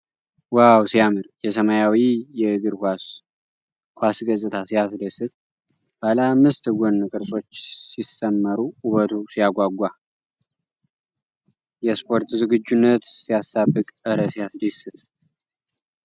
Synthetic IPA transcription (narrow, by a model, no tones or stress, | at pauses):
wawsijamɨɾjɛsəmajawijɛɨɡɨɾkʷas | kʷasɡəsʼɨt̪ʰasijasləsɨt̪̚ | b̥alamːɨst̪ɨɡʷonːɨkʼɨɾsʼo̞t͡ʃːsisəmːəɾuʔuβət̪ʰusijaɡʷaɡʷa | jɛspʰo̞ɾt̪zɨɡɨd͡ʒːunːət̪sijastabːɨkʼəɾəsijasd̪əsɨt̪